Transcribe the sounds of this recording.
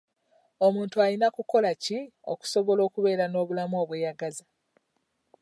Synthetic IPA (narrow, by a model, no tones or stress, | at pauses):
o̞muːntuajinakuko̞lacio̰ku̥so̞βo̞lo̞ːkuβe̞ːɾano̞ːβulamuo̞ːβwe̞ːjaɡaza